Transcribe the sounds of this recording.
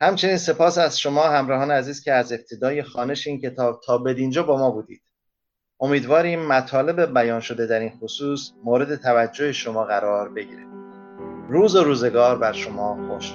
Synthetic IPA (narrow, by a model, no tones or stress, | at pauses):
hæmt͡ʃʰe̞niːnse̞pʰɒːsæzʃo̞mɒːhæmɾɒɦɒːneæziːz̥cʰʲeæze̞b̥̚t̪ʰe̞d̪ɒːje̞xɒːne̞ʃeiːncʰe̞t̪ʰɒːb̥̚t̪ʰɒːbe̞d̪iːnd͡ʒɒːbɒːmɒːbuːd̪ḭːd̪̥ | ʔo̞miːd̪vɒːɾiːmːæt̪ʰɒːle̞be̞bæjɒːnʃo̞d̪e̞d̪æɾinxosuːsmoːɾe̞d̪e̞t̪ʰævæd͡ʒːoheʃo̞mɒːɣæɾɒːɾbe̞ɟḭːɾe | ɾuːzoɾuːze̞ɡɒːɾbæɾʃo̞mɒːxo̰ɾʃ